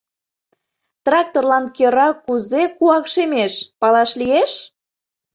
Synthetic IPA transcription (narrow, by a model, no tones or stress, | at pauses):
t̪rɑk̚t̪orlɑnkeɾɑkuzekuɑkʃemeʃpɑlɑʃlieʃ